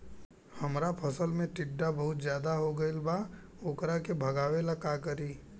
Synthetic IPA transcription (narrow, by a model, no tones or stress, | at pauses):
hɐmɾapʰəsəlmẽʈɪɖːabɐɦʊt̪zjaːd̪aɦoɡəɪlbaoːkɾakebʱɐɡaːʋelakakəɾiː